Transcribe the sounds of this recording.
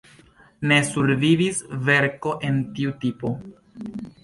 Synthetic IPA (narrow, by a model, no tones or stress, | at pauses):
ne̞suɾvivisve̞ɾko̞ʔe̞ntiutipo̞